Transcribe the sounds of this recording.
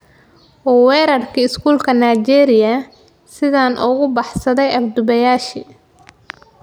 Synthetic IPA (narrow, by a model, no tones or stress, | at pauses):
wɔːwɛːɾɐrkʰiːɪskʰuːlkʰɐnajt͡ʃɛːɾɪjɐ | sɪðaːnʔɔɣʊbɑħsɐðɛjɐbd̪ʊβɐjaːʃi